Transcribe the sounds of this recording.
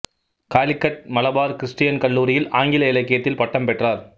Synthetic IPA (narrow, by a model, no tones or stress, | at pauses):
kaːlɪkːɐʈ̚mɐlɐbaːɾkɪɾɪsʈɪjɐnkɐɭːuːɾɪjɪlaːŋɡɪlɐɪlɐkːɪjɐt̪ːɪlpɐʈːɐmpɛʈraːɾ